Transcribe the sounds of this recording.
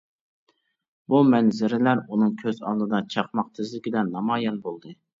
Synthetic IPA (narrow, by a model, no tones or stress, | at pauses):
bumɛnzɪɾɪlæɾunɨŋkʲʰøzɑ̰lˠnɨd̪ɑt͡ʃʰɑqmɑqt̪ʰɪzlɪkʲɪd̪ɛnnːɑmɑjɛnbolˠd̪ɨ